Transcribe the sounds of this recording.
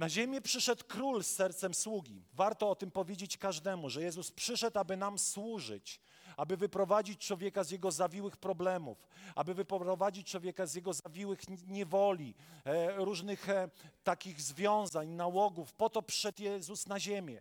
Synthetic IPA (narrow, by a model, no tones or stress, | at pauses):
naʑemʲjɛpʂɘʂɛt̪kɾulsːɛɾt̪sɛmswuɡʲḭvaɾt̪ɔɔt̪ɘmpɔvʲjed͡ʑet͡ɕkaʐd̪ɛmuʐɛjɛzuspʂɘʂɛt̪abɘnamswuʐɘ̰t͡ɕ | abɘvɘpɾɔvad͡ʑit͡ɕt͡ʂwɔvʲjɛkazjɛɡɔzavʲiwɘxpɾɔblɛmṵfa̰bɘvɘpɔɾɔvad͡ʑit͡ɕt͡ʂwɔvʲjɛkazʲjɛɡɔzavʲiwɘxɲɛvɔlʲi | ɾuʐnɘxt̪akʲiɣzvʲjɔ̃w̃zaɲnawɔɡufpɔt̪ɔpʂʂɛt̪jɛzusnaʑemʲjɛ̰